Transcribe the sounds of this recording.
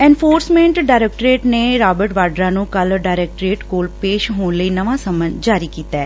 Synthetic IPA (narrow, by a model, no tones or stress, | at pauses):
ɛ̃ːnfʰoːɾsmẽːɳʈɖaːjɾeːk̚ʈɾeːʈneːɾaːbəɾʈʋaːɖɾãːnũːkəlɖaːɪɾeːk̚ʈɾeːʈkoːlpeːʃɦoːnləiːnəʋãːsəmənd͡ʒaːɾiːkiːt̪ɛː